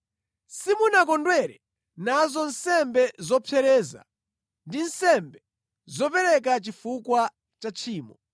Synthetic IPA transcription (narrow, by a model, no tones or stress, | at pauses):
simunakɔndwɛɾɛ | nazɔn̩sɛmbɛzɔpʰɛɾɛːza̰ | ndinsɛmbɛ | zɔpɛɾɛk̬at͡ʃifukwa | t͡ʃat͡ʃʰiːmɔ